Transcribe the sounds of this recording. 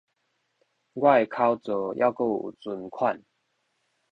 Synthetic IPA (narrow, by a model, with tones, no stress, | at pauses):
ɡwa˥˨jkʰa˦ʊt͡sɔ˨˩jʔa̰˥˧ʊko˥˨t͡su˨˩nkʰwa˥˨n